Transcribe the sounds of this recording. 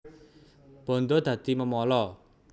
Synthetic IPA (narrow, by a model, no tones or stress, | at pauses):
b̥ɔ̤nd̪od̪̥ä̤d̪̥i̤məmɔlɔ